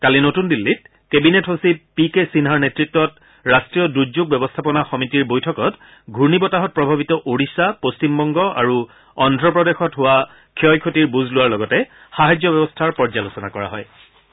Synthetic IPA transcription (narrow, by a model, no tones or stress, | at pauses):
kalinotundilːit̚ | kebinetɦosipikesinɦaɹnetɹitːɔt | ɹastɹijɔduzuɡ̚bɛbɔstʰapɔnaxɔmitiɹbojtʰɔkɔt | ɡʱuɹnibɔtaɦɔt̚pɹɔbʱabitɔʔoɹisapost͡ʃimbɔŋɡɔa̰ɹu | ɔndʱɹɔpɹɔdexɔtɦʊwa | kʰiɔjkʰotiɹbuzlʊwaɹlɔɡɔtɛ | xaɦajd͡ʒɔbɛbɔstʰaɹpɔɹzalosɔnakɔɹa̰ɦɔ̰j